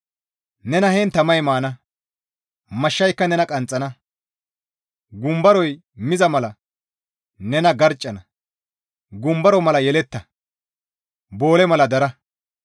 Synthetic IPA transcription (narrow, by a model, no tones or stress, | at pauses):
nɛnɐheːnt̪ɐmɐjmaːnɐ | mɐʃːɐjkːɐnɛnɐkʼɐnt͡sʼːɐnɐ | ɡʊmbɐɾɔj | mɪzɐmɐlɐ | nɛnɐɡɐɾt͡ʃʼːɐnɐ | ɡʊmbɐɾɔmɐlɐjɛlɛt̪ːɐ | bo̞ːlɛmɐlɐd̪ɐɾɐ